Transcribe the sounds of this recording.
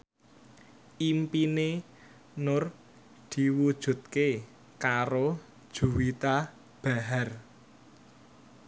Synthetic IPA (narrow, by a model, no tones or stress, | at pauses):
ʔimpine | nʊr | d̪̥i̤wud̥ʒ̥ṳt̪̚ke | kaɾo | dd̥ʒ̥ṳwit̪a | b̥a̤ɦar